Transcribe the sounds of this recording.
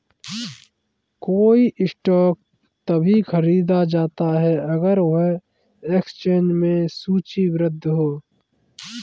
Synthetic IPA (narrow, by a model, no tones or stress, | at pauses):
koːiʔɪsʈɔːk̚ | t̪ɐbʱixʰɐɾiːd̪ad͡ʒaːt̪aɦɛʔɐɡəɾoɦe | ekst͡ʃẽːnd͡ʒmẽsuːt͡ʃiwɾɪd̪ʱːɦoː